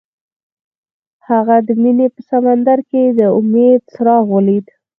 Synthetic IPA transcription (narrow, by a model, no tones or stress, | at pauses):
haɣad̪əminepəsamand̪aɾked̪əʊmed̪səɾɑɣwəlid̪